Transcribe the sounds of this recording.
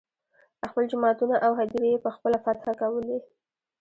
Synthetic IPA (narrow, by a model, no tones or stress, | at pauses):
əxpəld͡ʒʊmɑt̪unaʔawɦad̪iɾejepəxpəlafat̪xakawəle